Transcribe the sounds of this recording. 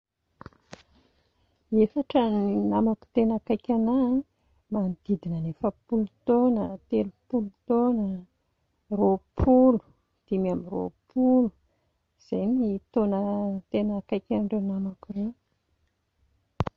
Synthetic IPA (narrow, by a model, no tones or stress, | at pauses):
efaʈ͡ʂəninamaku̥t̪enakajkʲana | mand̪̥id̪inənefəpulut̪onət̪elupulut̪onə | ropʰulu̥ | d̪̥imamiro̰pʰulu̥ | z̥ejnit̪onət̪enəkajkʲaɳɖ͡ʐanamakure